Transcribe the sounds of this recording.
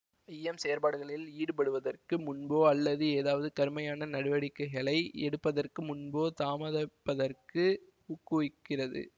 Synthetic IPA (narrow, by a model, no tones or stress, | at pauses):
ɐjɛmsejɾpaːɽɯɣɐɭɪliːɽɯpɐɽɯʋɐðɐrkɯmʊnboːɐlːɐðɯeːðaːʋɐðɯkɐɾɯmɐjaːnɐnɐɽɯʋɐɽɪkːɐɪɣɐɭɐɪɛɽɯpːɐðɐrkɯmʊnboːt̪aːmɐðɐpːɐðɐrkɯ | ʊkːuɪkːɪrɐðɯ̰